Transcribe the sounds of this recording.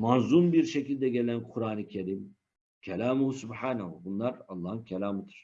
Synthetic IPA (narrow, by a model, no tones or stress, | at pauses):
manzunbiɾʃecilʲd̪ɛɡelʲænkʰuɾaːnɯcʲʰeɾim | cʰɛlʲaːmuhusubħaːnaɦubunlˠaɾɑlˠːɑːhɯncʰɛlʲaːmɯd̪ɯ̥ɾ̥